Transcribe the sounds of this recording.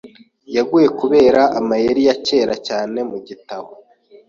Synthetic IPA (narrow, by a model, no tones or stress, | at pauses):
jaɡuje̞kuβe̞ːɾaʔːmajeɾijace̞ːɾacaːne̞muɟitaβo